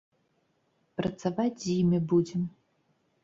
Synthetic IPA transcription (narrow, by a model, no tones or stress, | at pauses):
pɾɐt̪savad͡zʲzjimʲibud͡zʲɛm